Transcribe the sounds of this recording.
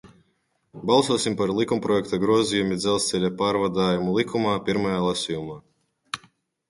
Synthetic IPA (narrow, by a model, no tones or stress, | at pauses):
balˠsuɔsimpaɾlˠikumpɾɔjɛkt̪aɡɾuɔzijumid̪zɛlˠst̪sɛlʲapaːɾvad̪aːjumulˠikʰumaːpʲiɾmajaːlˠasʲijumaː